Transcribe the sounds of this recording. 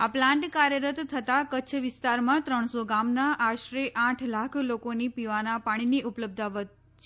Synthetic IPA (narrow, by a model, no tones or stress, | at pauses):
aplãɳʈkaɾjəɾət̪t̪ʰːət̪akət͡ʃʰʋɪst̪aɾmãt̪ɾəɳ̃soɡamnaʔaʃɾeʔãʈʰlakʰlokonipiʋanapaɽ̃iniʔupləb̚d̪ʱaʋət̪̚ | t͡ʃʰ